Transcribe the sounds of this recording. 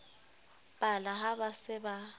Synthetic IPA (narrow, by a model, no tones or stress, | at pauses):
bʼalaɦabasɪba